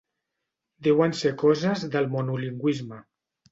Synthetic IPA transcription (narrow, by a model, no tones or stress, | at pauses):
d̪ɛwənsekɔzəzðəlˠmonuliŋɡwizmə